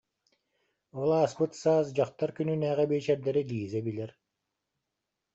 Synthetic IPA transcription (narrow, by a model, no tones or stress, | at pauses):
ɔlˠaːsbɯt̪saːsd͡ʑaqt̪aɾkynynæːʁɛbeːt͡ʃɛɾd̪ɛɾid̪iːzɛbilɛɾ